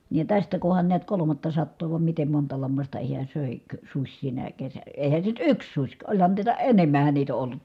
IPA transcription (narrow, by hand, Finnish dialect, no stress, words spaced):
niːj jɑ tæstæ kuhɑn niæt kolomɑtːɑsɑtːoː ʋɑm mitem montɑ lɑmːɑstɑ hiæ søˑe kø susʲ sinæ kesæ eˑi̯hæn se nyt yks susʲ kɑ olʲhɑn niːtæ enemˑæhæn niːt o ʔolːut